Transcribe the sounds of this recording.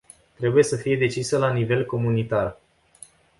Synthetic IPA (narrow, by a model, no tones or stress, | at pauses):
t̪ɾe̞buje̞səfije̞d̪e̞t͡ʃisəlanive̞lko̞munit̪ar